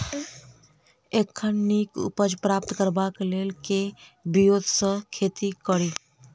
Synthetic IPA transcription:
ekʰːənnikṵpəd͡ʒpɾapt̪kəɾbaklelkebijod̪ʱsə̃kʰet̪ikəɾi

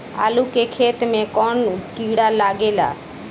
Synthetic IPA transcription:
a̰lukekʰet̪mẽkɔɳkiɽalaɡela̰

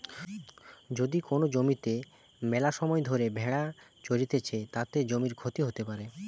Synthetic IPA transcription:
d͡ʑod̪ikonod͡ʑomit̪e | mɛlaʃɔmɔed̪ʱoɾebʱɛɽat͡ɕoɾit̪et͡ɕʰet̪at̪ed͡ʑomiɾkʰot̪iɦot̪epaɾe

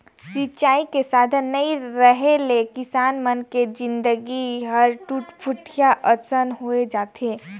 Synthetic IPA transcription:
sit͡ʃaːikesaːd̪ʱənːəiɾəɦelekɪsaːnmənked͡ʒɪ̃nd̪əɡiɦəɾʈupʰuʈʰijaʔəsənɦoed͡ʒaːt̪eː

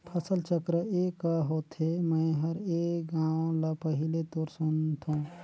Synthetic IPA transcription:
pʰəsəlt͡ʃəkɾəekaɦoːt̪ʰɦemə̃ɪɦəɾeːkɡãːõlapəɦilet̪oːɾsunt̪ʰũ

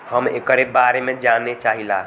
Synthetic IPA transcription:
həmḛkəɾebaɾemed͡ʒanːet͡ʃaɦila

